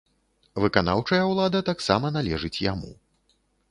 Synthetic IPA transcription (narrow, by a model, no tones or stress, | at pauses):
vɨkanawt͡ʂɐjɐwlˠad̪ɐt̪aksa̰mɐnalʲɛʐɨt͡sʲja̰mṵ